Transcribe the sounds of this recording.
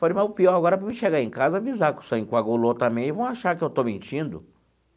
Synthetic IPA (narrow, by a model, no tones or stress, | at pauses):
falemawpiɔɾaɡɔɾɐvɐmɪ̃ʃeɡaẽj̃kazɐavizakʊ̥sɐ̃ĩkwaɡulot̪ɐ̃mbẽj̃ɪvɐ̃w̃aʃaɾkɪewt̪owmẽnt͡ʃĩnd̪ʊ̰